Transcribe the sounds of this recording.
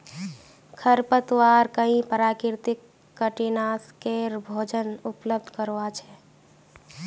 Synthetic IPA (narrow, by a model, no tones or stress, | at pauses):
kʰəɾpət̪ʋaɾkəɦĩpəɾakiɾt̪ikː | əʈinaskeɾbʱod͡ʒənupləb̚d̪ʱkəɾʋat͡ʃʰɛ